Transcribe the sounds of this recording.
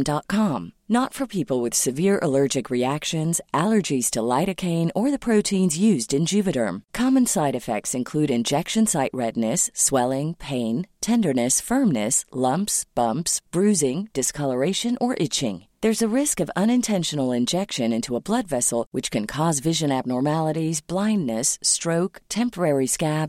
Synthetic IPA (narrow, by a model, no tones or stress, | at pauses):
dɑt̚kʰɑ̃mnətfə˞pʰipl̩ˠwɨð̥sɨvɪɹʔə̰lɜ˞d͡ʒɨkʰɹiækʃɨ̃nzʔælˠə˞d͡ʒiz̥tʰəlaɪɾɨkʰẽɪ̃nə˞ðɨpʰɹ̥oʊtʰĩnzjʉzdɨ̃nd͡ʒʉvɨɾə̰̃˞mkʰɑmɨ̃nsaɪɾɨfɛ̰k̚tsɨ̃nkʰl̥ʉɾɨ̃nd͡ʒɛkʃɨ̃nsaɪʔ̚ɹɛdⁿnɨswɛlˠɪ̃ŋpʰẽɪ̃ntʰɛ̃ndə˞nɨsfɜ̃˞mnɨslʌ̃mpsb̥ʌ̃mpsb̥ɹʉzɪ̃ŋd̥ɨskʰʌlˠə˞eɪʃɨ̃nə˞ʔɪt͡ʃɪ̰̃ŋ | ðə˞zɨɹɪskʌvʌ̃ñɨ̃ntʰɛ̃nʃɨnl̩ˠɪ̃nd͡ʒɛkʃɨ̃nɪ̃ntʰuəblʌdvɛsl̩ˠwɨt͡ʃkʰɨ̃nkʰɔzvɪʒɨ̃næb̚nɔɹmælˠəɾizblãɪ̃ndːɨstɹ̥oʊktʰɛ̃mpə˞ɛɹiskæb̥